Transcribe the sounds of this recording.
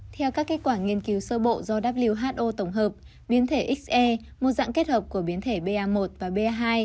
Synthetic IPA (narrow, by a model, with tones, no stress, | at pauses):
t̪ʰɛ˧wkaː˦˥kːe˦˥t̚kwaː˧˩ŋi˧ənki˨˦wsəː˧ɓo̰˧˨zɔ˧ɗaː˦˥p̚li˧əwɦaː˦˥t̚ʔo˧t̪ə˧˩wŋ͡mɦəː˨˩p̚ | ɓi˨˦nt̪ʰe˧˩ʔi˦˥k̚sʔɛ˧ | mo˨˩t̚za̰ː˧˨ŋke˦˥t̚həː˨˩p̚ku˧˩əɓi˨˦ənt̪ʰe˧˩ɓe˧ʔaː˧mo˨˩t̚vaː˨˩ɓe˧ʔaː˧ɦaː˧j